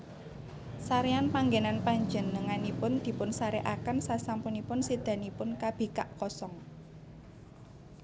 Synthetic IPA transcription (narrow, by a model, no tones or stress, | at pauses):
saɾeanpaŋɡenanpaɲd͡ʒə̤nːəŋanipʊnd̪̥i̤pʊnsaɾeʔakənsasampunipʊnsid̪̥ä̤nipʊnkab̥e̤kaʔkɔsɔŋ